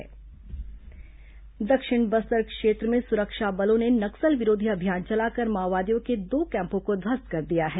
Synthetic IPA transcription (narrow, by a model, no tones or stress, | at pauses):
d̪ɐkʃɪɽ̃bɐsəɾkʃeːt̪ɾəmẽsʊɾəkʃabɐlõnenɐksəlʋɪɾoːd̪ʱiɐbʱjaːnt͡ʃɐlaːkɐɾmaːʋaːd̪ijõked̪oːkɛ̃ːmpõkod̪ʱɐskɐɾd̪ijaɦɛː